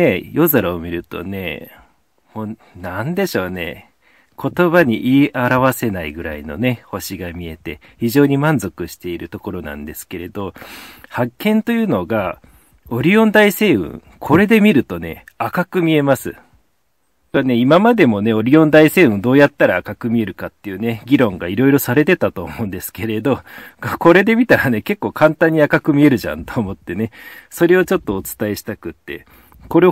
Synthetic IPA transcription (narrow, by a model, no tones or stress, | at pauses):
e̞jo̞zaɾaomʲiɾɯ̟t̪o̞̰ne̞̰ | moː | nand̪e̞ɕo̞ːne̞̰ | kʰo̞t̪o̞βaɲ̟iʔiʔaɾaβase̞naiɡɯ̟ɾa̰ino̞̰ne̞ho̞ɕiɡamʲie̞t̪e̞ | çiʑo̞ːɲ̟imãnzo̞kɯ̟ɕi̥t̪e̞iɾɯ̟t̪o̞ko̞ɾo̞nã̰nd̪e̞sɨ̥ke̞ɾe̞d̪o̞hakːẽ̞nt̪o̞jɯ̟no̞ɡa | o̞ɾʲiõ̞nd̪aise̞ːɯ̰̃ŋ | kʰo̞ɾe̞d̪e̞mʲiɾɯ̟t̪o̞ne̞̰akakɯ̟mʲie̞masɨ | ane̞imamad̪e̞mo̞ne̞o̞ɾʲiõ̞nd̪aise̞ːɯ̃nd̪o̞ːjat̪ːaɾaːkakɯ̟mʲie̞ɾɯ̟kat̪ːe̞jɯ̟ːne̞ɡʲiɾõ̞ŋɡaiɾo̞iɾo̞saɾe̞t̪e̞t̪at̪o̞̰ːmõ̞ɯ̃nd̪e̞sɨ̥ke̞ɾe̞d̪o̞ko̞ɾe̞d̪e̞mʲit̪aɾane̞ke̞kːo̞ːkʰãnt̪ãɲ̟ːiakakɯ̟mʲie̞ɾɯ̟ʑã̰nt̪oːmo̞t̪ːe̞ne̞so̞ɾe̞o̞t͡ɕo̞t̪ːo̞ːt͡sɨ̥t̪ae̞ɕi̥t̪akɯ̟t̪ːe̞̰ | ko̞ɾe